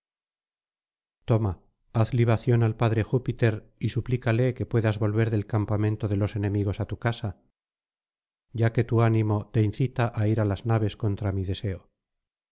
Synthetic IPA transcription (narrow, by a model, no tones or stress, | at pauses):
t̪o̞ma | aθliβ̞aθjo̞nalpaðɾe̞xupit̪e̞ɾisuplikale̞ke̞pwe̞ðazβo̞lβe̞ɾðe̞lkampamẽ̞nt̪oðe̞lo̞se̞ne̞miɣ̞o̞sat̪ukasa | ɟ͡ʝake̞t̪uanĩmo̞t̪e̞inθit̪aʔaiɾalaznaβe̞sko̞nt̪ɾamiðe̞se̞o